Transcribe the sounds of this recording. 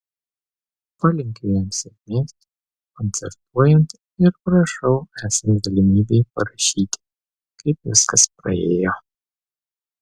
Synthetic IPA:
pɐlʲɪŋʲkʲejɛmsʲɐvʲmʲeːsʲt̪ʲ | kɔnt̪sʲɛ̰ɾt̪uɔjɛnt̪ | ɪɾpɾɐʃɐʊæːsʲɐnzd̪ɐlʲɪmʲiːbʲɛjpɐɾɐʃʲiːt̪ʲ | kɐɪpʋʲɪskɐspɾɐ̰eːjo

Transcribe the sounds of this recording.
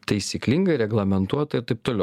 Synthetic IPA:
t̪ɐɪsʲiklʲɪŋɡɐɪɾʲɛɡlˠɐmʲɛnt̪uɔt̪ɐɪɾt̪ɐɪp̚t̪oːlʲɛʊ

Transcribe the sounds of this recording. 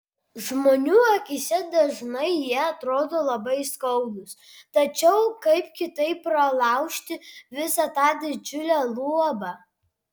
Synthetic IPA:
ʒmoːnʲuːɐkʲisʲɛd̪ɐʒnɐɪjiɛɐt̪ɾoːd̪oːlˠɐbɐɪskɐʊɡʊs | t̪ɐt͡ʃʲɛʊkɐɪpkʲɪt̪ɐɪpːɾɐlˠɑˑʊʃʲt̪ʲɪʋʲɪsɑt̪ɑːd̪ʲɪd͡ʒʲʊlʲæːlˠuɔbɑ

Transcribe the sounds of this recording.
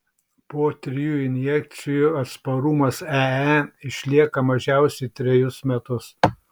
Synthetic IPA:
poːt̪ʲɾʲɪjuːɪnʲjɛk̚t̪sʲɪjuːɐt̪spɐɾʊmɐsæɪʃʲlʲiɛkɐmɐʒʲɛˑʊsʲɛɪt̪ʲɾʲɛjʊsmʲɛt̪ʊs

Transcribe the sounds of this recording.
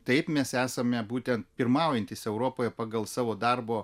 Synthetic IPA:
t̪ɐɪpmʲɛsæːsɐmʲɛbuːt̪ʲɛnt̪pʲɪɾmɑˑʊjɛnʲt̪ʲɪsɛʊɾoːpoːjɛpɑɡɐlˠsɑːʋoːd̪ɐrboː

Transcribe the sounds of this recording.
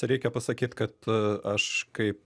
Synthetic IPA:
ɾʲɛɪkʲɛpɐsɐkʲiːt̪kɐt̪ɐʃkɐɪp̚

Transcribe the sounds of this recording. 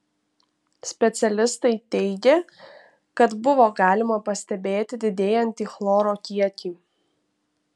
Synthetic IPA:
sʲpʲɛt̪sʲɛlʲɪst̪ɐɪt̪ʲɛɪɡʲe | kɐt̪bʊʋoːɡɑːlʲɪmɐpɐsʲt̪ʲɛbʲeːt̪ʲɪd̪ʲɪd̪ʲeːjɛnʲt̪ʲiːxlˠoːɾoːkʲiɛkʲiː

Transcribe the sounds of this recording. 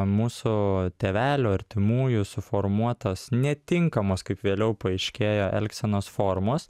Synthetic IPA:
muːsʊt̪ʲeːʋʲæːlʲuːɐɾʲt̪ʲɪmuːjʊsʊfoːɾmuɔt̪ɐsnʲɛt̪ʲɪŋkɐmoːskɐɪpʋʲeːlʲɛʊpɐɪʃʲkʲeːjoːʔɛ̰lʲksʲɛnoːsfoːɾmoːs

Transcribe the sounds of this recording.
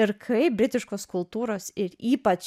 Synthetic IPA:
ɪɾkʰɐɪbʲɾʲɪt̪ʲɪʃkoːskʊlˠt̪uːɾoːsɪɾiːpɐt͡ʃ

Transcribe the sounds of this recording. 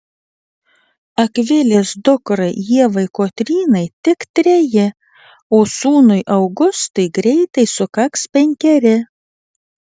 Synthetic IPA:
ɐkʋʲɪlʲeːsd̪ʊkɾɐɪjiɛʋɐɪkoːt̪ʲɾʲiːnɐɪt̪ʲɪkt̪ʲɾʲɛjɪ | oːsuːnʊɪʔɐʊɡʊst̪ɐɪɡɾʲɛɪt̪ɐɪsʊkɐkspʲɛŋʲkʲɛɾʲɪ

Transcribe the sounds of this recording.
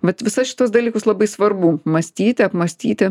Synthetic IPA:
ʋɐt̪ʋʲɪsɐsʃʲɪ̥t̪uɔs̬d̪ɐlʲiːkʊslˠɐbɐɪsʋɐɾbuːmɐsʲt̪ʲiːt̪ʲɪɐpmɐsʲt̪ʲiːt̪ʲɪ

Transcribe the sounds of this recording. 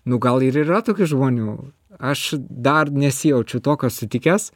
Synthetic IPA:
nʊɡɐlˠɪɾirɐt̪oːkʲʊʒmuːnʲuː | ɐʃd̪ɐrnʲɛsʲɪjɛʊt͡ʃʲʊt̪oːkʲoːssʲʊt̪ʲɪkʲeːs

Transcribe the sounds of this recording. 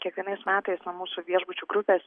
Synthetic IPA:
kʲiɛkʋʲiɛnɐɪsmʲæːt̪ɐɪsnuɔmuːsuʋʲiɛʒbʊt͡ʃʲuːɡɾʊpʲeːs

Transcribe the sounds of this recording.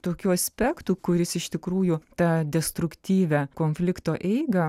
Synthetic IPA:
t̪oːkʲuːɐsʲpʲɛkt̪uːkʊɾʲɪsɪʃt̪ʲɪkɾuːjʊt̪ɑːd̪ʲɛst̪ɾʊkt̪ʲiːʋʲɛkoːnʲfʲlʲɪkt̪oːʔɛɪɡɐ

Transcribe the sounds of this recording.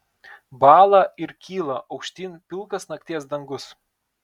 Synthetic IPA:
bɑːlˠɑɪɾkʲiːlˠɐʔɒʊkʃʲt̪ʲiːnpʲɪlˠkɐsnɐk̚ʲt̪ʲiɛs̬d̪ɐŋɡʊs

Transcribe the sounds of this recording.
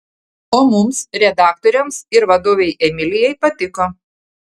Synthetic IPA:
oːmʊmsɾʲɛd̪ɑːk̚t̪ɔːɾʲɛmsɪɾʋɐd̪oːʋʲɛɪʔɛmʲɪlʲɪjɛɪpɐt̪ʲɪkoː

